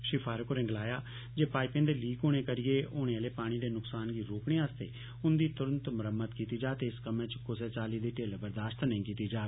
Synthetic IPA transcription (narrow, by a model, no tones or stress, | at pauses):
ʃɪpʰaːɾəkoɾɛ̃ːŋɡlaːjaː | d͡ʒeːpaːɪpẽːd̪eːliːkoːɽ̃eːkəɾɪjeːʔoːɽ̃ẽəleːpaːɽ̃iːd̪eːnʊksaːnɡiːɾoːkɽĩːaːst̪ḛː | ʊnd̪iːt̪ʊɾə̃nt̪mʊɾəmːəd̪t̪kiːt̪iːd͡ʒaːt̪eːɪskəmẽːt͡ʃkʊseːt͡ʃaːliːd̪eːʈeːlbəɾd̪aːʃt̪nəĩːkiːt̪iːd͡ʒaː